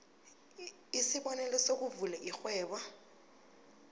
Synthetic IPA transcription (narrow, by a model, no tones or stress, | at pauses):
isɪbɔnɛlɛsok̬uvulɛʔik͡xwɛːba